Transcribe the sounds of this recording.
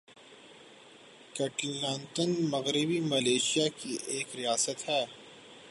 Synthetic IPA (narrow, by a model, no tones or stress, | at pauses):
kɐʈlãːnt̪ənmɐɣɾɪbimɐleːʃijakiʔeːkɾijaːsət̪ɦɛː